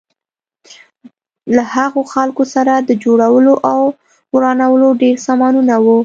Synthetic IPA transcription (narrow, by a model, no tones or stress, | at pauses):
lahaɣoxalkosaɾad̪əd͡ʒoɽawəloʔaw | wɾɑnawəloɖeɾsɑmɑnunawu